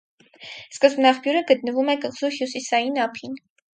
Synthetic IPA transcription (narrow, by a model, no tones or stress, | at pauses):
skəzbnɑχpʰjuɾəɡət̪̚nəvumɛkəʁz̥uhjusisɑjinɑpʰin